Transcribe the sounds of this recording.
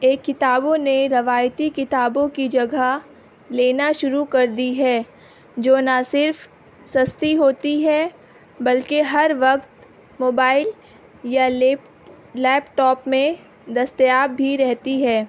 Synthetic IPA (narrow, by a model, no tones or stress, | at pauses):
eːkːɪt̪aːbõneɾɐʋaːjt̪ikɪt̪aːbõkid͡ʒɐɡʱa | leːnaʃʊɾukɐɾd̪iɦɛː | d͡ʒoːnasɪɾf | sɐst̪iɦoːt̪iɦɛ | bɐlkeɦɐɾʋɐkt̪ | moːbaːɪl | ja | lɛːpʈɔːpmẽ | d̪ɐst̪əjaːbːʱiɾɛɦt̪iɦɛː